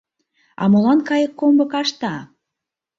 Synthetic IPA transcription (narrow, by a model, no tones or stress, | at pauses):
ɑ̰mɤ̆lɑnkɑjə̆kːombɤ̆kɑʃt̪ɑ